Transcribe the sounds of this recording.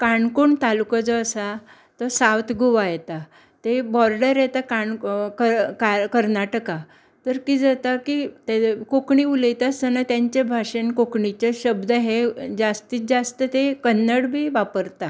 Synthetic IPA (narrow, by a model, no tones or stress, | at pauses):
kaɳkuɳt̪alukəd͡zɔəsa | t̪əsawt̪ɡʱoʋajɛt̪a | t̪ebɔɾɖəɾjɛt̪akaɳkəkakəɾnaʈəka | t̪əɾkid͡zat̪akit̪ekokɳiuləjt̪ast͡sənat̪jãɲt͡ɕebʱaʂenkokɳit͡ɕeɕəbd̪əɦed͡zast̪iːt͡s̪̚d͡zast̪ət̪ekənːəɽbʱiːʋapəɾt̪a